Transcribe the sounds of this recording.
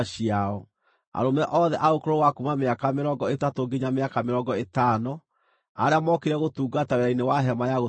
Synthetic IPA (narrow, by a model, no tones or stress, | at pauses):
ɕiaɔ | a̰ɾomɛʔɔðɛʔaokoɾoɣwakumameakameɾɔŋɡɔetatoɡeɲameakameɾɔŋɡɔetaːnɔ | a̰ɾeamɔkeɾɛɣotuːɡataweɾainewaɦɛmajaɣo